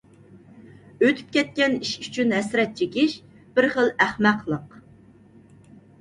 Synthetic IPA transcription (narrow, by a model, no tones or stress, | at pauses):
øt̪ʰy̥p̚kʲɛt̪̚kʲɛniʃyt͡ʃʰynɦɛsɾɛt̪̚t͡ʃʰekʲɪʃ | b̥ɪɾχəlˠæχmæqlˠəq